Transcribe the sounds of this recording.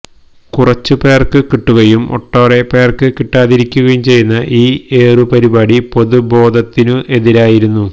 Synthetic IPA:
kurɐt͡ɕːɨpe̞ːrkɨkiʈːuɣɐjumo̰ʈːoːrepe̞ːrkɨkiʈːaːðiɾikʲːuɣɐjumt͡ɕe̞jːunːɐʔiːe̞ːrɨpɐɾibaːɽipo̞ðubo̞ːd̪ʱɐt̪ːinuʔe̞ðiɾaːjiɾunːu

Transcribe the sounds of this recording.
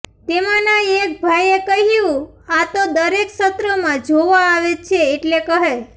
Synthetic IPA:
t̪emãnaek̚bʱajekəɦjũ | at̪od̪əɾeksət̪ɾəmãd͡ʒoʋaːʋet͡ʃʰeːʈlekəɦe

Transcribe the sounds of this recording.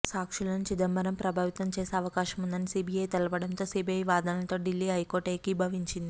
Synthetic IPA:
saːkʂilɐnut͡ʃid̪ɐmbɐɾɐmpɾɐbʱaːʋit̪ɐmt͡ʃeːseɐʋɐkaːʃɐmund̪ɐnisiːbiɐjt̪ɐlɐpɐɽɐnt̪oːsiːbʱiɐjʋaːd̪ɐnɐlɐt̪o̞ːɖilːiːɦɐjkoːʈɐjkibʱɐʋiɲt͡ʃind̪i

